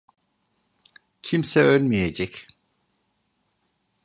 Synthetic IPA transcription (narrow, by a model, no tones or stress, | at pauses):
cʰimsɛølmijed͡ʒɛc